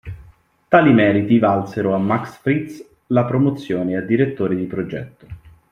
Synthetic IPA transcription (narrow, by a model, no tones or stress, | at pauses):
t̪aːlimɛːɾit̪ivalseɾoamːaksfɾit̪s | lapɾomot̪sːjoːnead̪ːiɾet̪ːoːɾed̪ipɾod͡ʒɛt̪ːo̥